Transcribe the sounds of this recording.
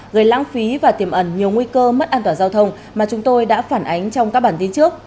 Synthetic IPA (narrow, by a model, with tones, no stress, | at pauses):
ɣəː˨˩jlaː˧˥ŋfi˨˦vaː˨˩t̪i˧˩əmʔə˧˩nɲi˨˩əwŋwi˧kəː˧mə˦˥t̚ʔaː˧t̪waː˧˩zaː˧wt̪ʰə˧wŋ͡m | maː˨˩t͡ɕʊ˨˦ŋ͡mt̪o˧jɗa̰ː˧˥faː˧˩nʔa˨˦jŋ̟t͡ɕɔ˧wŋ͡mkaː˦˥k̚ɓaː˧˩nt̪i˧nt͡ɕɨ˦˥ək̚